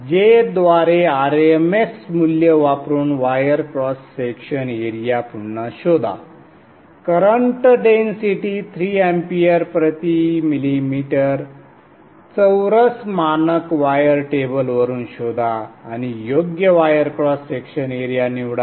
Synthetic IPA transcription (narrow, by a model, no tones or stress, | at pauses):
d͡ʑed̪ʋaɾeaɾemeksmuljəʋapɾuːnʋajəɾkɾɔsːekɕəneɾijapuɽnaɕod̪ʱa̰ | kəɾəɳʈɖensiʈit̪ʰɾiːempiaɾpɾət̪imilimiʈəɾ | t͡səwɾəsmanəkʋajəɾʈebəlʋəɾuːnɕod̪ʱaːñijoɡjəʋajəɾkɾɔsːekɕəneɾijaniʋɽa